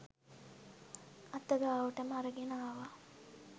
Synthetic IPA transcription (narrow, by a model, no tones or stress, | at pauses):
ɐt̪ːɐɡaːʋuʈəmaɾɐɡenaːʋa